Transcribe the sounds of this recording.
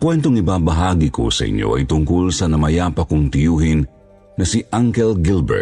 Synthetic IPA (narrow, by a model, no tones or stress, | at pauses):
kwɛnt̪oŋɪbaːbɐɦaːɡiko̰sɐ̰ʔɪ̰ɲʔo̰ʔɐ̰jt̪ʊŋkʊlsɐnɐmɐjaːpɐkʊŋt̪ɪjuːhɪnː | ɐsiʔaŋkɛlɡɪlbɛ̰ɹ̚